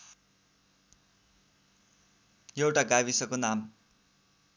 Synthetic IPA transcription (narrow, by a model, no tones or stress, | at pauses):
jewʈaɡawisʌkonam